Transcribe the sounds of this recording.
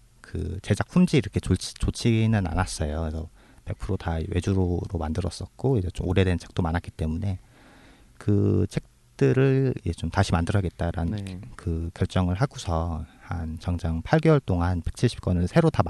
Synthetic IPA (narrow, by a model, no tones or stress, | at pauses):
kɯ̰t͡ɕe̞d͡ʑak̚ɸʰumd͡ʑiːɾʌkʰet͡ɕot͡ɕʰt͡ɕot͡ɕʰiɡnɯna̰nas͈ʌjosʰʌ | pe̞k̚pʰɯɾotawe̞d͡ʑuɾoɾomandɯɾʌs͈ʌt̚k͈oid͡ʑet͡ɕomoɾe̞dwent͡ɕʰe̞k̚t͈omanɦatk͈it͈e̞mune̞ | kɯt͡ɕʰe̞k̚ | t͈ɯɾɯɭiet͡ɕomtaɕʰimandɯɾʌɡe̞t̚t͈aɾankɯkjʌɭt͡ɕ͈ʌŋɯɭɦaɡusʰʌhant͡ɕʌŋd͡ʑaŋpʰaɭɡewʌɭt͈oŋanpe̞k̚t͡ɕʰiɭɕʰi̥p̚k͈wʌnɯnsʰe̞ɾotam